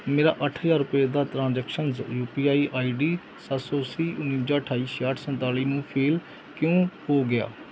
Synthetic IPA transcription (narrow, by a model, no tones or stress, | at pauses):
meːɾa̰ːʔəʈʰɦəzaːɾʊpaːd̪aːt̪ɾãːnzɛːkʃənzjuːpiːaːiːʔaːiːɖiː | sət̪sɔːsiːʔʊnːĩːd͡ʒaːʈʰaːiːsaːʈʰsənt̪aːliːnũːpʰeːl | kjõːhoːɡɪa̰ː